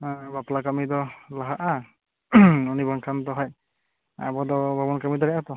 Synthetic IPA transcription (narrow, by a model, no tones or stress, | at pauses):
baplakamidɔlaɦaʔa | ɔnibaŋkʰant̪ɔɦɔj | a̰bɔdɔbabɔnkamidɔɾɛʔat̪ɔ